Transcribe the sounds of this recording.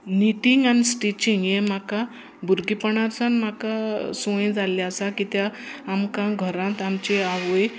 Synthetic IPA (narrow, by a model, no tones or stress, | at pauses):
niʈiŋɡanisʈit͡ɕiŋɡjem̤aka | bʱuɾɡipəɳaɾsanmakasõẽd͡zaljasakit̪jaːmkãɡʱəɾãt̪amt͡ɕeaʋoj